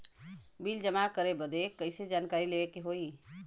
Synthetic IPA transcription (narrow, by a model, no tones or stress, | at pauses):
bild͡ʒəmakəɾebəd̪ekəɪsed͡ʒankaɾileekeɦoi